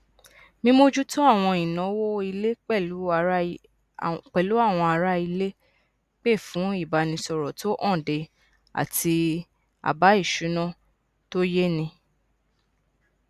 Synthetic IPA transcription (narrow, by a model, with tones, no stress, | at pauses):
mĩ˧mo˧d͡ʒu˦tu˦a˦˨w̃ɔ̃˧ĩ˨nɔ̃˨˦wo˦i˧le˦k͡pɛ˦˨lu˨˦˧ | k͡pɛ˨lu˨˦a˦˨w̃ɔ̃˧a˧ɾa˦i˧le˦ | k͡pe˦˨fũ˨˦i˦˨ba˨nĩ˧sɔ˧ɾɔ˨tʰo˦ʔɔ̃˦˨de˧ | a̰˨tʰi˧ | a̰˨ba˨˦i˦˨ʃu˨˦nã˦˨ | to˦je˦nĩ˧